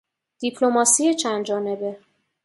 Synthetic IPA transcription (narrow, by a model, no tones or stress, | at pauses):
d̪̥ipʰlo̞mɒːsijet͡ʃʰænd̪d͡ʒɒːne̞be̞